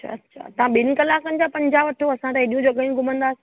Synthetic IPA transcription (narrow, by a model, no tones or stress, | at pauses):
t͡ɕʰa̰ɐtːʃʰa̰t̪ɐʋãɓɪn̆kɐlaːkənɪd͡ʑapɐ̃ɲd͡ʑaːʋɐʈʰoɐsãt̪eɦɪɗijũd͡ʑoːɡɐjũɡʱʊmə̃nd̪aːsɪ̥